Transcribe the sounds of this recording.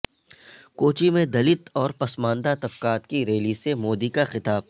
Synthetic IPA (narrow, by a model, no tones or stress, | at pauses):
koːt͡ʃimẽd̪ɐlɪt̪ɔːɾpɐsmãːnd̪at̪ɐbkaːt̪kiɾeːlisemoːd̪ikaxɪt̪aːb̚